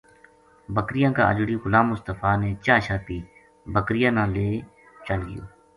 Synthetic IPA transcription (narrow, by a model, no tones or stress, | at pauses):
bəkɾɪjãːka̰ːʔə̰d͡ʒɽiːɣʊlaːmʊst̪əfʰaːneːt͡ʃaːʃaːt̪iː | bəkɾɪjãːnãːleː | t͡ʃəlɡɪ̰jo̰ː